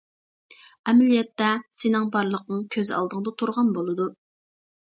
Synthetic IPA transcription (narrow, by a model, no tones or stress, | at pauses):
ɛmɛlijɛt̪ːɛsenɪŋbɑɾlˠəq̚nɨŋkʲʰøzɑ̰lˠd̪əŋd̪ɑt̪ʰuɾʁɑnbolˠɨd̪u